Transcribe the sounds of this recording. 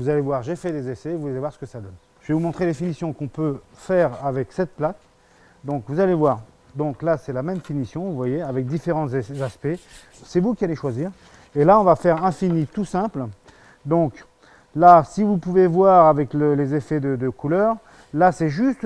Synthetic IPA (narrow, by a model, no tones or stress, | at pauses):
vuzalevwaʁʒefɛd̪ezesɛːvuzalevwaʁsə̥kəsad̪ɔn | ʒ̥vevumɔ̃t̪χed̪efinisjɔ̃kɔ̃pøfɛʁavɛksɛt̪̚plat̪ | d̪ɔ̃kvuzalevwaːʁ | d̪ɔ̃klasɛlamɛmfinisjɔ̃vuvwajeavɛk̚d̪ifeʁɑ̃zaspɛ | sɛvukʲialeʃwaziːʁ | elaɔ̃vafɛʁɛ̃finit̪usɛ̃pl | d̪ɔ̃k | lasivupuvevwaʁavɛkləlezefɛd̪əd̪əkulœːʁ | lasɛʒyst̪